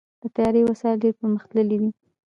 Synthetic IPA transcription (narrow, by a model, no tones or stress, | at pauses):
d̪̥ət̪ajɑɾewasɑjleɾpəɾməxt̪ləlid̪i